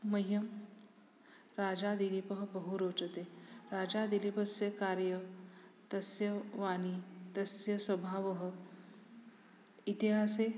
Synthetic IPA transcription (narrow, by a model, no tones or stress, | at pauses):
mɐjjːɐm | ɾaːd͡ʒad̪ilipɐɦɐbɐɦuɾoːt͡ʃɐt̪eɾaːd͡ʒad̪ilipɐsjɐkaːɾjɐt̪ɐsjɐʋaːnit̪ɐsjɐswɐbʱaːʋɐɦə | it̪iɦaːse